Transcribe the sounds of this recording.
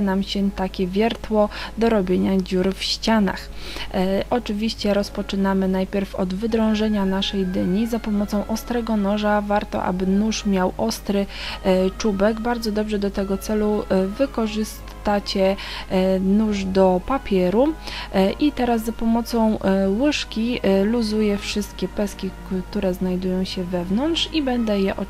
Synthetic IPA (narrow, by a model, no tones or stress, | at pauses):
namɕɛt̪akʲɛvʲjɛɾt̪wɔd̪ɔɾɔbʲjeɲad͡ʑuɾfɕt͡ɕana̰x | ʔɔt͡ʂɘvʲiɕt͡ɕɛɾɔspɔt͡ʂɘnamɘnajpʲjɛɾfɔ̰d̪vɘd̪ɾɔ̃w̃ʐɛɲanaʂɛjd̪ɘɲizapɔmɔt̪sɔ̃w̃ʔɔst̪ɾɛɡɔnɔʐavaɾt̪ɔ̰ʔa̰bɘnuʂmʲjawʔɔst̪ɾɘ | t͡ʂubɛɡbaɾd̪zɔd̪ɔbʐɛd̪ɔt̪ɛɡɔt̪sɛluvɘkɔʐɘs | t̪at͡ɕɛ | nuʐd̪ɔpapʲjɛɾu | ʔit̪ɛɾaszapɔmɔt̪sɔ̃w̃wɘʂkʲiluzujɛfʂɘst̪̚kʲɛpɛskʲi | t̪uɾɛznajd̪ujɔ̃w̃ɕɛvɛvnɔnt̪ʂibɛnd̪ɛjɛʔɔ